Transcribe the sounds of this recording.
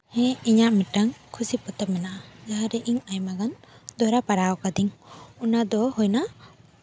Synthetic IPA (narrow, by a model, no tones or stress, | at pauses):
hɛ̃iɲaʔmiʈaŋkʰusipɔt̪ɛp̚mɛnaʔad͡ʒaɦaɾɛʔiɲajmaɡand̪ɔɾapaɾawɔkad̪iŋunad̪ɔhɔjna